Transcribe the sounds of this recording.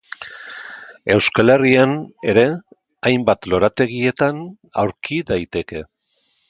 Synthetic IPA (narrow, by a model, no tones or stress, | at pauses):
e̞wskale̞riane̞ɾe̞ | ajmbat̪lo̞ɾat̪e̞ɣ̞ie̞t̪an | a̰wɾkiðajt̪e̞ke̞